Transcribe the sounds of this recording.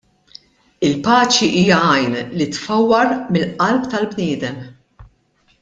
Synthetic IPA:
ɪlpɐːt͡ʃiʔiːjɐɐjnlit̪fɐwːɐɾmɪlʔɐlpt̪ɐlbnɪːd̪ɛm

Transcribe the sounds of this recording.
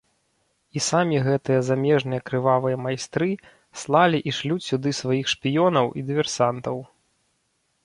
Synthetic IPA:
isamʲiɣɛt̪ɨjɐzamʲɛʐnɨjɐkɾɨvavɨjɐmajst̪ɾɨ | slˠalʲiʔiʂlʲusʲud̪ɨsvajixʂpʲijɔnɐwʔḭd̪ɨvʲɛrsant̪ɐw

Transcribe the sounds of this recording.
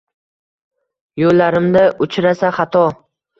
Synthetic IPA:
jolːaɾɪmd̪aʔʊt͡ʃʰɾasaχat̪ʰɒ

